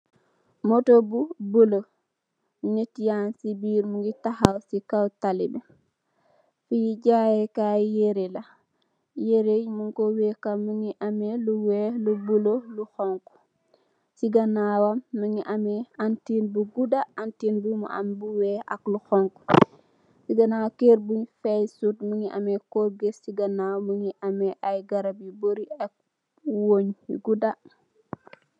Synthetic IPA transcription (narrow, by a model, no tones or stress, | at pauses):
motobubulo | netijansibiːɾmuŋɡitahawsikawtalibɛ | fijiɟajɛkajeɾela | jeɾejmuŋkowekamːəŋiʔameluwelubuloluxɔŋku̥ | siɡɐnawɐmːəŋiʔɐmɛantinbuɡudaantiːnbumṵʔɐ̰mbuwɛːɐ̰kluxɔŋk | siɡɐnawkeːɾbuɲfɛjsutməŋiʔɐ̰mɛkɔɡesiɡɐnawməŋiʔɐmɛʔajɡɐɾɐbjiboɾiɛk̚ | woːɲjuɡudɐ